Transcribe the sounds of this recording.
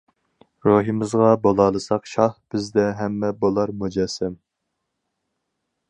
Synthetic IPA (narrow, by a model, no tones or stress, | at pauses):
ɾoɦɨmɪzʁɑbolˠɑːlˠɨsɑqʃɑhb̥ɪzd̪ɛɦɛmːɛbolˠɑɾmud͡ʒɛsɛm